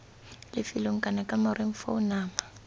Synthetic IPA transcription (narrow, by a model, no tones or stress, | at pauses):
lɪfɪloŋ̩kʼanakʼamarɪŋ̩fa̰ʊnaːma